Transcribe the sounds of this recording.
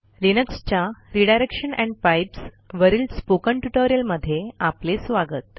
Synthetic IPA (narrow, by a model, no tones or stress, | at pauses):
linəkst͡ɕjaɾiɽajɾekʂəɳɛ̃ɳɖ̚pajps | ʋəɾiːlspokəɳʈuʈoɾijəlməd̪ʱːjeaplesʋaɡət̪̚